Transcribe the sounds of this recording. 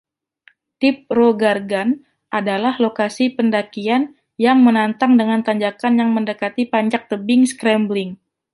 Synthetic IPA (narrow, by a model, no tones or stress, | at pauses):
t̪ɪp̚roɡarɡan | ʔadalahlokasipəndakian | jaŋmənant̪aŋdəŋant̪aɲd͡ʒakanjaŋməndəkat̪ipaɲd͡ʒak̚t̪əbɪŋskɾɛmblɪŋ